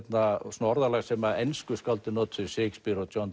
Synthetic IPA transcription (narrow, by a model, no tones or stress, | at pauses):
t̪nasunaɔɾðalasɛmaenskʏskalt̪ɪnɔt̪θʏseːkspiɾɔt̪ɔnt̪